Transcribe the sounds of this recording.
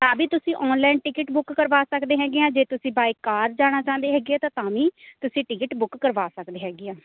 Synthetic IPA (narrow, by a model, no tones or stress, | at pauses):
t̪ãːbiːt̪ʊsĩːʔɔːnlaːnʈɪkɪʈbʊkːəɾʋaːsəkd̪eːɦɛːɡeːãːd͡ʒeːt̪ʊsĩːbaːikːaːɾd͡ʒaːɽ̃aːt͡ʃãːnd̪eːɦɛːɡaːt̪ãːt̪ãːʋiːt̪ʊsĩːʈɪkɪʈbʊkːəɾʋaːsəkd̪eːɦɛːɡeːãː